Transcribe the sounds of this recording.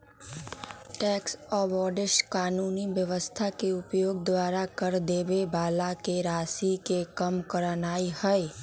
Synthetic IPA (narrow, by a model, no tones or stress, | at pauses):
ʈɛːksɔːbɔːɖɪʃkaːnuːniʋjəʋəst̪ʰakeʊpjoːɡ̚d̪waːɾakəɾd̪eːbebaːlakeɾaːsikekəmkəɾənaːihəj